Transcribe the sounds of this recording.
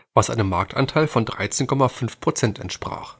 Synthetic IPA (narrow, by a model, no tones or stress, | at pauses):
vasʔaɪnəmːaɐk̚tʰʔa̰ntʰaɪlfɔndʁa̰ɪt͡seːnkʰɔmafʏnfpʁ̥ot͡sɛntɛ̰ntʃpʁ̥a̰ːχ